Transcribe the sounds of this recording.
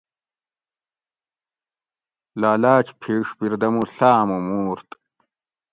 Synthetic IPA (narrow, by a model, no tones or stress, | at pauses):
laːlaːt͡ɕpʰeːʂbiɾd̪ɐmuɬaːmumuːɾt̪